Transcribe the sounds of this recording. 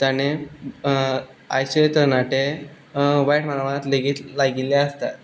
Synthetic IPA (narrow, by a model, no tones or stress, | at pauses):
t̪jañe | a̰jset̪əɾnaʈe | ʋajʈmaɾaʋanat̪leɡiːt̪laɡileəst̪at̪̚